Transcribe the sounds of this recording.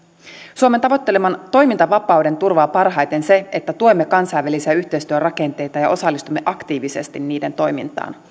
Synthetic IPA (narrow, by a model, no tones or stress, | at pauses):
suoment̪ɑʋot̪ːe̞lemɑnt̪o̞jmint̪ɑʋɑpɑwde̞nt̪urʋɑːpɑrɦɑjt̪e̞nse̞et̪ːæt̪uo̞jmːekɑnsɑjʋːælisiæyçt̪ejst̪yørɑke̞nt̪e̞jt̪ɑjɑ̰ʔo̞sɑlːist̪umːe̞ʔɑkt̪iːʋisest̪inːiːde̞nt̪o̞jmint̪ɑ̰ːn